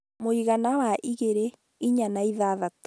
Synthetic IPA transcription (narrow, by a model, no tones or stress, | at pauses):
moiɣanawaʔiɣeɾe | iɲanaiðaðat